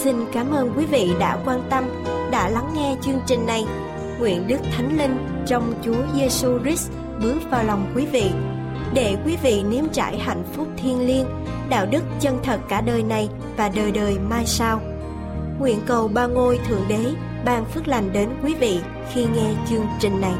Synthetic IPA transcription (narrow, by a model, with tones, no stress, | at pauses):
si˧nkaː˨˦mʔəː˧nkwi˨˦vḭ˧˨ɗa̰ː˧˥kwaː˧nt̪ə˧m | ɗa̰ː˧˥la˨˦ŋːɛ˧t͡ɕɨ˧əŋt͡ɕï˨˩ŋ̟na˨˩j | ŋwḭ˧˨ənɗɨ˦˥k̚t̪ʰa˨˦jŋ̟li˧ŋ | t͡ɕɔ˧wŋ͡mt͡ɕu˨˦əze˧su˧zi˦˥s | ɓɨ˨˦əkvaː˨˩wla˨˩wŋ͡mkwi˨˦vḭ˧˨ | ɗe˧˩kwi˨˦vḭ˧˨ni˨˦əmt͡ɕa̰ː˧˩jha̰˧˨jŋ̟fʊ˦˥k͡p̚t̪ʰi˧ənli˧ən | ɗa̰ː˧˨wɗɨ˦˥k̚t͡ɕə˧nt̪ʰə˨˩t̚kaː˧˩ɗəː˨˩jna˨˩j | vaː˨˩ɗəː˨˩jɗəː˨˩jmaː˧jsaː˧w | ŋwḭ˧˨ənkə˨˩wɓaː˧ŋo˧jt̪ʰɨ̰˧˩əŋɗe˨˦ | ɓaː˧ŋfɨ˦˥k̚la˨˩jŋ̟ɗe˨˦nkwi˨˦vḭ˧˨ | xi˧ŋɛ˧t͡ɕɨ˧əŋt͡ɕï˨˩ŋ̟na˨˩j